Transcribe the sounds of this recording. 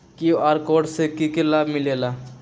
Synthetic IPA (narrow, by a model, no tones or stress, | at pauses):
kioaːɾkoːɖsekikelaːbmɪleːlaː